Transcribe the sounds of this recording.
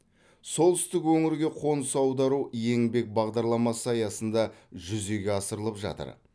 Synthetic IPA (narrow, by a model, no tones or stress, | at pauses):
so̞lˠt̪ʰʏst̪ɪkwɵŋɪɾɡʲe̞qʰo̞nsɑwd̪ɑɾuje̞ŋbe̞k̚bɑʁd̪ɑɾlˠɑmɑsəɑjɑsənd̪ɑʒʏze̞ɡʲe̞ɑsəɾəlˠəpʒɑ̰t̪ə̰ɾ